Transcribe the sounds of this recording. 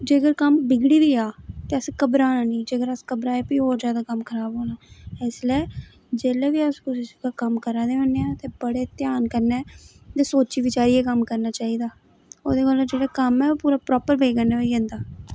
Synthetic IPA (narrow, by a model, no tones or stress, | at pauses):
d͡ʒeːɡəɾkəmbɪɡɽiːʋiːaːt̪eːəskəbɾaːnaːnĩːd͡ʒeːɡəɾəskəbɾaːepiːɦoːɾzjaːd̪aːkəmkʰəɾaːbɦoːnaːɪslɛː | d͡ʒeːleːʋiːəskʊsɪskaːkəmkəɾaːd̪eːʋəneãːt̪eːbəɽeːt̪ɪjaːnkəɾneː | t̪eːsoːt͡ʃiːʋɪt͡ʃaːɾiːɛːkəmkəɾnaːt͡ʃaːiːd̪aː | oːd̪eːkəlːd͡ʒeːɽaːkəmɛːopuːɾaːpɾɔːpəɾbeːɡəneʋəiɛ̃ːnd̪aː